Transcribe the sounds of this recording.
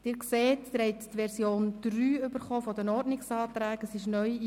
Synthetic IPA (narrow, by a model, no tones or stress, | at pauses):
d̥ɪːɾkseːtːɾhɛɪttʋɛɾsjoːnd̥ryːʏbəɾχoːfɔdənɔɾdnɪksɑːtɾæːɡ̥əsɪʃnœj